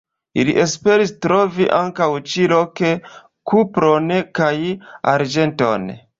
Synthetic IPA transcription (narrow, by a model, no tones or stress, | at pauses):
ḭlḭʔe̞spe̞ɾistɾo̞viʔaŋkawt͡ʃilo̞ke̞ | kupɾo̞nkaja̰ɾd͡ʒe̞nto̞̰n